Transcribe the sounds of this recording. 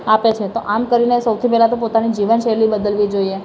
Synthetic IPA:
apet͡ʃʰet̪oʔamkəɾinesəwt̪ʰipɛɦlat̪opot̪anid͡ʒiʋənʃelibəd̪əlʋid͡ʒoie

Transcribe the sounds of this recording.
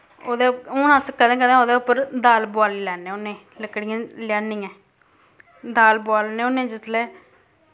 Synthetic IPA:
oːd̪eːoːnãːskəd̪ẽːkəd̪ẽːoːd̪eːʊpːəɾd̪aːlbʊaːliːlɛːneːʊnːẽː | ləkɽiãːlɪjaːnĩːɛ̃ː | d̪aːlbʊaːlneːonẽːd͡ʒɪslɛː

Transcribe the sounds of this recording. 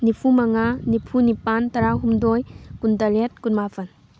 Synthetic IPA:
nipʰumaŋanipʰunipantɐɾaɦumdɔjkundɐɾet̚kunmafʰɐn

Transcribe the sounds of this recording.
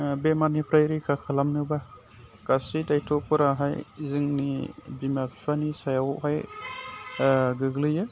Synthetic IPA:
bemanipʰɾajɾikʰakʰalamnɯba | kasidajtʰɔpɯɾaɦajzɯŋnibimapʰipʰanisajawhaj | ɡɯɡlɯjɯ

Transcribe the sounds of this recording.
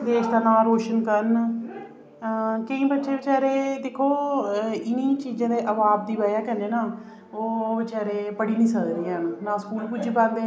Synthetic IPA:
d̪eːʃd̪aːnaːɾoːʃənkəɾn | kəĩːbətːʃʰeːbɪt͡ʃaːɾeːd̪ekʰːoː | ɪniːt͡ʃiːzãːd̪eːʔəbaːb̚d̪iːʋəːjaːkəneːnaː | oːbɪt͡ʃaːɾeːpəɽiːnĩːsəlɾiːɛːnũnãːskuːlpud͡ʒiːpɛ̃ːnd̪eː

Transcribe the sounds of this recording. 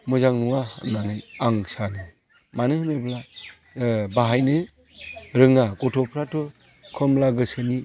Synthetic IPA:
mɯzaŋnuŋananɯaŋsanɯ | manɯhɯnebla | baɦajnɯ | ɾɯŋaɡɔtʰɔpʰɾatɯ | kʰɯmlaɡɯsɯni

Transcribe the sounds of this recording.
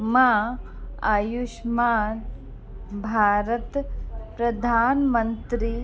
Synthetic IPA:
ma | ajuʃmaːn | bʱaːɾət̪pɾɐd̪ʱaːnmɐnt̪ɾi

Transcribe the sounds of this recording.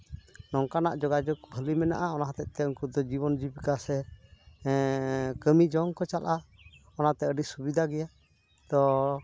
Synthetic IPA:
nɔŋkanaʔd͡ʒɔɡad͡ʒɔk̚bʱəlimɛna̰ʔaɔnaɦat̪ɛt̪̚ˀt̪ɛɔŋkud̪ɔd͡ʒiβɔnd͡ʒibikasɛ | kəmid͡ʒɔŋkɔt͡ʃalʔa | ɔnat̪ɛəɖisubid̪ʱaɡɛja | t̪ɔ

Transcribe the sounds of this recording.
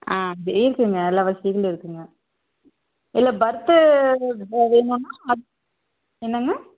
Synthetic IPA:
aːdɯɪɾɯkːɯŋɡɐɛlːaːʋɐsikɐlɪɾɯkːɯŋɡɐ | ɪlːɐbɐɾɯt̪ːɯ | ʋeːnũnːaːɐðɯ | ɛnːɐŋɡɐ

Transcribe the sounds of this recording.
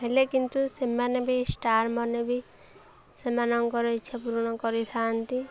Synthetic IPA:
ɦelekint̪usemanebisʈaɾmɔnebi | semanɔŋkɔɾɔjt͡ʃʰɛpuɾɔɽ̃ɔkɔɾit̪ʰant̪i

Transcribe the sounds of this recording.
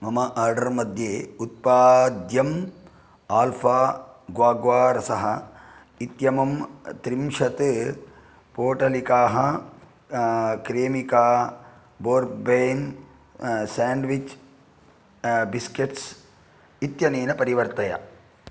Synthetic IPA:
mɐmɐʔaːɾɖɐɾmɐd̪ʱjeːut̪̚paːd̪jɐm | aːlfʰaːɡʋaːɡʋaːɾɐsɐɦɐ | it̪jɐmɐmt̪ɾimʂɐt̪ɨ | poːʈɐlikaːɦɐ | kɾeːmikaː | boːɾbeːn | saːɳɖʋit͡ʃ | biskeʈs | it̪jɐneːnɐpɐɾiʋɐɾt̪ɐjɐ̰

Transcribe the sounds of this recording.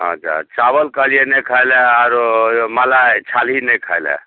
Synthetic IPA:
ɦã̰d͡ʒʰa̰t͡ʃabəlkəlienɛkʰajlɛaɾmalat͡ʃʰalɦinɛkʰajlɛ̰

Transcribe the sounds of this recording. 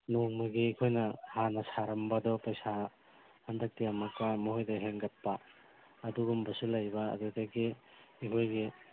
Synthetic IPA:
noŋmɐɡiikʰojnɐhanɐsaɾɐmbɐdɔpɐjsa | hɐndɐk̚tiamɐkːamuɦojdɐɦeŋɡɐt̚pɐː | duɡumbɐsulɐjbɐɐ̰dudɐɡiikʰojɡi

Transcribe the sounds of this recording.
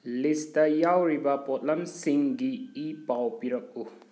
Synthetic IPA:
listajawɾibapɔt̚lamsiŋɡiipawpiɾɔk̚u

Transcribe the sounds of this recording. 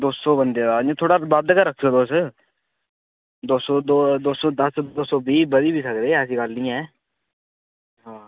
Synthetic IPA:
d̪oːsoːbənd̪eːd̪aːõt̪ʰoːɽaːbad̪kəɾəkʰoːd̪oːs | d̪oːsoːd̪oːd̪oːsoːd̪əsd̪oːsoːbiːbəd̪iːbʱiːsəkɾeːəsiːɡəlnĩːɛː | ɦãː

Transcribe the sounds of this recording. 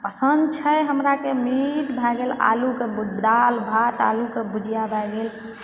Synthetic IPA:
pəsənd̪t͡ʃʰəjɦəmɾakemiʈbʱaɡela̰lukebud̪d̪albʱat̪a̰lukebud͡ʒjabʱaɡel

